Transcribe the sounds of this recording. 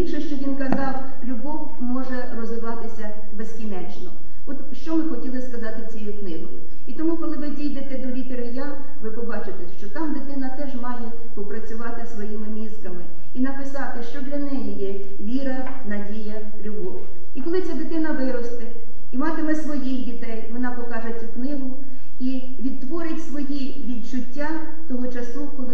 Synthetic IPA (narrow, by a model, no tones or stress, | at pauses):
bʲikʃɛʃt͡ʃɔʋʲinkɐzɑw | lʲʊbɔw | mɔʒɛrɔzʋɪʋɑt̪ɪsʲɐ | beskʲinɛt͡ʃnɔ̰ | ɔt̪ʃt͡ʃɔmɪxɔtʲilˠɪskɐzɑt̪ɪt͡sʲɛjuknɪɦɔ̰jʊ̰ | it̪ɔmukɔlˠɪʋɪdʲijd̪et̪ɛd̪ɔlʲit̪eɾɪja | ʋɪpɔbɑt͡ʃɪt̪ɛʃt͡ʃɔt̪ɑmd̪ɪt̪ɪnɐt̪ɛʒmɑjɛ | pɔpɾɐt͡sʲʊʋɑt̪ɪsʋɔjimɪmʲizkɐmɪ | inɐpɪsɑt̪ɪʃt͡ʃɔd̪lʲɐnɛjijɛ | ʋʲiɾɐ | nɐdʲijɐ | lʲʊɦɔʋʊ̰ | ikɔlˠɪt͡sʲad̪ɪt̪ɪnɐʋɪɾɔst̪ɪ | imɑt̪ɪmɛsʋɔjixdʲit̪ɛjʋɔnɑpɔkɑʒet͡sʲʊknɪɦʊ | i | ʋʲid̪̚t̪ʋɔɾɪtʲsʋɔji | ʋʲid̪t͡ʃʊtʲːa | t̪ɔɦɔt͡ʃɐsukɔlˠɪ